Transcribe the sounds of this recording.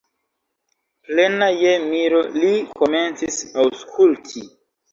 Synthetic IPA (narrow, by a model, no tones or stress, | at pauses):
plenajemiɾoliko̞me̞nt͡sisawskʰultʰi